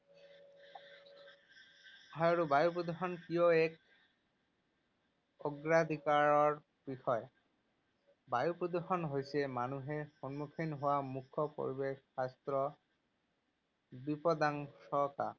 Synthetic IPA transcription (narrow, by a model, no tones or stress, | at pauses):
aɹubajup̬ɹod̪exɔnkijɔɛk̚ | ɔɡɹad̪ʱikaɹɔɹ | b̥ixɔj | bajupɹod̪exɔnɦojsɛmanuɦɛxɔnmukʰinɦowamukʰːɔpo̰ɹibexast̪ɹɔ | bipɔd̪aŋsɔka̰